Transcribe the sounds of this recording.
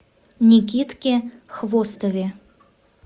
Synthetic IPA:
nʲik̬ʲit̪kʲexvost̪əvʲe

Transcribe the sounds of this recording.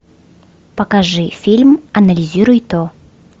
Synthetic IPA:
pɐkaʐɨfʲilʲmɐnɐlʲɪzʲiɾʊjt̪o

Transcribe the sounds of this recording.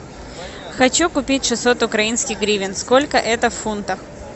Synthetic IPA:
xɐt͡ɕukʊpʲitʲʂɨsot̪ʊkɾɐinskʲɪɣɡɾʲivʲɪnskolʲkəʔɛt̪əffunt̪əx

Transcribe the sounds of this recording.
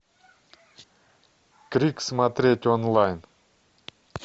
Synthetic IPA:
kɾʲiksmat̪ɾʲetʲonlˠajn

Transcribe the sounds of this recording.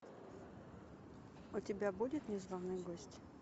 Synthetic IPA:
ʊtʲɪbʲabudʲɪt̪nʲɪzvɐvnɨjɡosʲtʲ

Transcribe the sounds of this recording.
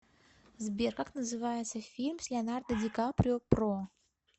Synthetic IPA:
zbʲerkaknəzɨvajɪt̪səfʲilʲmsʲlʲɪanard̪əd̪ʲikapɾʲopro

